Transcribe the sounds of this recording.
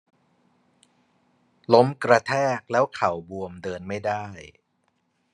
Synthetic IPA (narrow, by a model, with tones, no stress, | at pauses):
lo˦˥mkɾa˧t̪ʰɛː˥˩k̚lɛː˦˥wkʰa˨˩wbu˧əmdɤː˧nma˥˩jda˥˩j